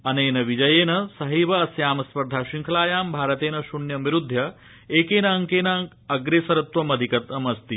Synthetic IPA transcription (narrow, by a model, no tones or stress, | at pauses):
ɐneːnɐʋid͡ʒɐjeːnɐsɐɦiːʋɐɐsjaːmɐspɐɾd̪ʱaːʃiŋkʰɐlaːjaːmbʱaːɾɐt̪eːnɐʃunjɐmiɾud̪ʱjɐ | eːkeːnɐɐŋkeːnaŋ | ɐɡɾeːsɐɾɐt̪ʋɐmɐd̪ʱikɐt̪ɐmɐst̪i